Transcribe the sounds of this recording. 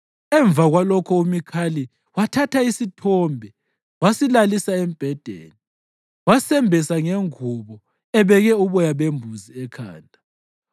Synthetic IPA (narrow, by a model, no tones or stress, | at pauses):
ɛɱb̪vʱaɣwalɔkʰɔumikʰali | watʰatʰaisitʰɔːmbʱɛ | wasilalisaem̩b̥ʱɛd̥ʱḛːni | wasɛmbʱɛsaŋeŋuβɔ | ɛβɛɣɛuβɔjaβembʱuziɛkʰa̰ːndʱʼa